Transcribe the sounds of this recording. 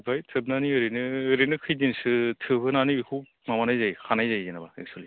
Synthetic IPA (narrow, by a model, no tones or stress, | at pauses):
bajtʰɯbnaniɯɾinɯɾinɯkʰɯjdinsɯtʰɯbɯnanikʰu | mamanajzajkʰanajzajzenabaḛk̚sʰuali